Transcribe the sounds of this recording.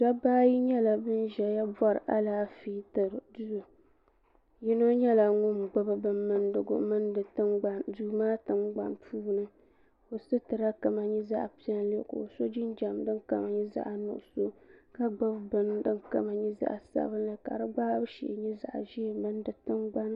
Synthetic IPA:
da˦baː˦ji˦ɲɛ˦la˨bɨ˦n˦ʒɛ˨ja˦bɔ˦ɾɨ˨ʔa˦laː˦fi˦tɨ˨ɾdu˦˨ | ji˦no˦ɲɛ˦la˨ŋʊ˦m˨ɡ͡ba˦bɨ˨bɨ˦nːɨ˦ndɨ˨ɡʊ̰˦mɨ˦ndɨ˨tɨ˦ɡ͡ba˨nduː˦maː˦tɨ˦ŋɡ͡ba̰˨npʰuː˦˨nɨ˦ | o˨so˦tɨ˨ɾa˦ka˨ma˨ɲi˦za̰˦ʔpi˦ɛ˦n˦li˦ko̰˨so˦d͡ʒɪ˦nd͡ʒa˨mdɨ˦nka̰˨ma˨ɲi˦za̰˦ʔa˨nʊ̰˨ʔʊ˨so˦ka˦ɡ͡ba˦bbɨ˦ndɨ˦nka̰˦ma˨ɲi˦za̰˦ʔa̰˨sa̰˦bɨ˦nɨ˨ka̰˨ɾɨ˦ɡ͡ba˦bɨ˦ʃḭ˨ʔɲi˦za̰˨ʔʒi˦˨mɨ˦ndɨ˨tɨ˦nɡ͡ba˦n˦

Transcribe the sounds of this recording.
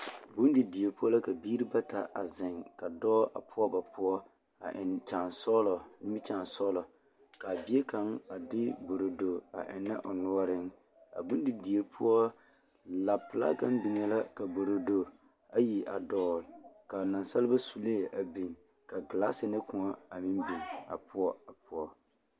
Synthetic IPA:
bu˦ndi˨di˨e˨pʊ˦ɔ˦la˦ka˨biː˦ɾi˦ba˦ta̰˨ʔa̰˨zɪ˨ŋka˨dɔː˦ʔa̰˨pʰʊ˦ɔ˦ba˨pʊ˦ɔ˦ | a˨ʔɪ˨nt͡ʃa˨nsɔ˦lɔ˨nɪ˦mɪ˦t͡ʃa˨nsɔ˦lɔ˨ | ka˨bi˦e˦ka˨˦ŋa˨dɪ˦bo˨ɾo˨do˨a̰˨ʔɪ˨na̰˦ʔɔ˨nu˦ɔ˦ɾɪ˦ŋ | a̰˨bu˦n˦dɪ˨di˨e˦pʰʊ˦ɔ˦ | la˨pɪ˨la̰˦ka˦nbi˨ŋɛ˨la˦ka˨bo˨ɾo˨do˨ | a˦ji˨ʔa̰˨dɔː˨lka˨na˨nsa˦lɪ˦ba˦su˨le˦˨ʔa˨bi˨ŋ | ka˨ɡɪ˨la˦sɪ˨nɪ˦kʊ˨ŋɔ˦a˨mɪ˦mbi˨ŋa̰˨pʊ˦ɔ˦a˨pʊ˦ɔ˦

